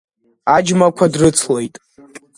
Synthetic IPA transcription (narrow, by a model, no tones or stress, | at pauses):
ad͡ʒmakʷʰadrɨt͡sʰlejtʼ